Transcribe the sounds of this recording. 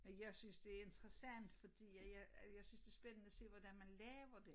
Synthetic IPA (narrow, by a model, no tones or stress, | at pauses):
menjɑ̈ɪsynsd̥e̝æɐe̝nd̥ʁɐsæn̰d̥fɒ̽d̥ḭːjæjæjɑ̈ɪsynsd̥e̝æɐsb̥enənəæse̝̰ːʋɒd̥ænmænlɛːʊɐd̥e̝